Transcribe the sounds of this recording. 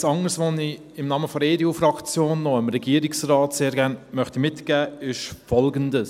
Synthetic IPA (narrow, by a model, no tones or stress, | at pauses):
sɑŋəɾsʋoni | ɪmnɑːməfɔɾeːdeufɾɑkt͡sjoːnːɔɪmɾɛɡ̥iəɾiksrɑːtseːɾɡæːnmœχtimɪtɡ̥æːɪʃfɔlɡəndəs